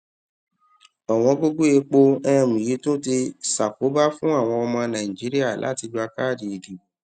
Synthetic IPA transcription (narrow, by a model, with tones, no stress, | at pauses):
ɔ˨w̃ɔ̃˧ɡo˦ɡo˦e˧k͡po˧ɛ̃˦˧˨mũ˨ji˨˦tõ˦ti˧sa˨ko˨˦ba˦fũ˦a˦˨w̃ɔ̃˧ɔ˧mɔ̃˧nã˨ĩ˨d͡ʒi˨˦ɾi˦a˦˨la̰˦ti˧d͡ʒu˦a˧ka˦˨dĩ˨i˨di˨